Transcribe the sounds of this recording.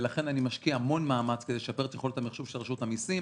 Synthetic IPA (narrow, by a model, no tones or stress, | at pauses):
laχe̞nanimaʃkiaamo̞nmaːmat͡sked̪eʃape̞et̪jeχo̞let̪amiχʃuvʃelʁeʃutamisim